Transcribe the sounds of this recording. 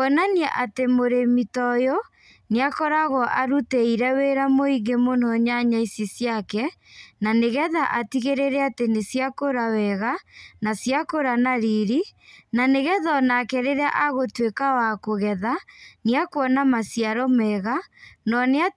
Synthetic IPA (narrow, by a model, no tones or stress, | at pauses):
ɔnaniɛʔatemoɾemitɔjɔ | neakɔɾaɣɔʔaɾuteiɾɛweɾamoiɡemon̥ɔɲaɲaisisiakɛ | naneɣɛðaʔatiɣeɾeɾɛatenesiakoɾawɛɣanasjakoɾanaɾiɾinaneɣɛðɔnakɛɾeɾea̰ʔaɣotwekawakoɣɛðaniakwɔnamasjaɾɔmɛɣanɔnea